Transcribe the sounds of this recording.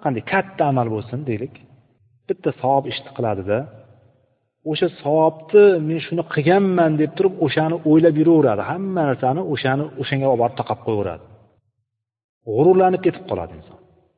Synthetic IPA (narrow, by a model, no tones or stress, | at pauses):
qʰɑnd̪ajkʲʰat̪ʰːaːmalbolˠsɪnd̪ejlɪkʲ | b̥ɪt̪ʰːasɒwɒpɪʃt̪ʰɪ̥qʰɨlˠad̪ɪd̪a | oʃasɒwɒp̚t̪ʰɪme̞nʃʊnɪqʰɨɡʲanmand̪e̞p̚t̪ʰʊɾɪpoʃanɪʔojlapjʊɾaʊɾad̪ɪhamːanaɾsanɪoʃanɪoʃaŋɡʲabɒbɒɾɪp̚t̪ʰɒqʰɑp̚qʰojʊɾa̰d̪ɪ | ʁʊɾʊɾlanɪp̚kʲʰe̞t̪ʰɪ̥p̚qʰɒlˠa̰d̪ɪ̰nsɒ̰n